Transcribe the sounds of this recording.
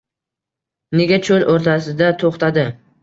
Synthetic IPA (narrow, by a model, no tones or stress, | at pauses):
neɡʲat͡ʃʰoloɾt̪ʰas̬ɪd̪at̪ʰoχt̪ʰad̪ɪ